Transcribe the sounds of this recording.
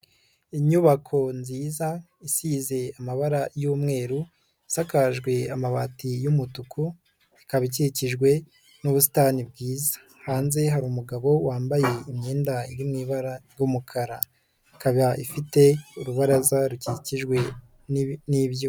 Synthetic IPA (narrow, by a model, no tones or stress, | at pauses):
iɲuβakʰo̞nziːza | isize̞amaβaɾajuːmŋe̞ːɾu | isakaʒɡwe̞amaβatijumutukʰu | ikaβic̬iciʒɡwe̞ | nuβus̬i̥tanibɡiːzḁ | haːnze̞ɦaɾuːmuɡaβo̞waːmbaje̞imɲeːndaiimŋiːβaɾaɾɡumukʰaɾa | ikaβaʔifite̞uɾuβaɾazaɾuciciʒɡwe̞ | niβjo